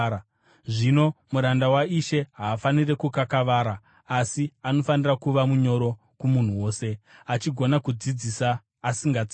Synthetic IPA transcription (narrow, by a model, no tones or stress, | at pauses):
ʐino̞muɾandawaiʃe̞ɦaːfanire̞kukakaʋaːɾaː | siano̞fanirakuʋamuɲo̞ɾo̞ | kumun̤uwo̞ːse̞at͡ʃiɡʱo̞nakud͡zid͡zisaː | siŋɡad͡zi